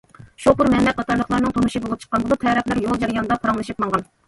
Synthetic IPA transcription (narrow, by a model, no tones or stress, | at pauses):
ʃopʊɾmɛmlɛk̚ʲqʰɑt̪ʰɑɾlˠəχlˠɑɾnɨŋt̪ʰomuʃibolˠup̚t͡ʃʰqːɑnbulˠɨt̪ʰɛɾɛplæɾjolˠd͡ʒɛɾijɑnd̪ɑpʰɑɾɑŋlˠɨʃip̚mɑŋʁɑn